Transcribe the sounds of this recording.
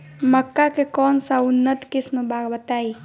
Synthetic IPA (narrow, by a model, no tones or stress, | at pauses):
məkːakekɔnsaʊnːət̪kɪsnũbaɡbət̪ai